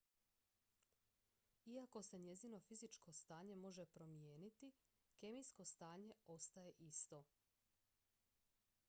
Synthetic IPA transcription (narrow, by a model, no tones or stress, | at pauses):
iako̞se̞ɲe̞zino̞fizit͡ʃko̞st̪aːɲe̞mo̞ʒe̞pɾo̞mje̞ːnit̪i | ke̞mijsko̞st̪aːɲe̞o̞st̪aje̞ʔist̪o̞